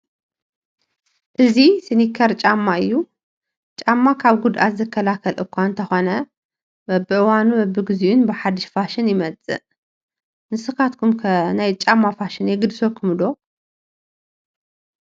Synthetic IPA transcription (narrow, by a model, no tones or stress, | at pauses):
ʔɨzisɨnikʰɐɾt͡ʃʼamːaɨjːu | t͡ʃʼamːakʰaβɡud̪ʔa̰ɨzɨkʰːɐlakʰɐlʔɨkʰʷaɨnt̪ʰɐxo̞nɐ | bɐbɨʔɨwanubɐbːɨɡɨziunbɨħad̪ɨʃfaʃɪnjɪmɐt͡sʼɨ̰ | nɨsɨkat̪kʰumkʰɐnajt͡ʃʼamːafaʃɪnjɛɡɨd̪sokʰɨmɨd̪o̞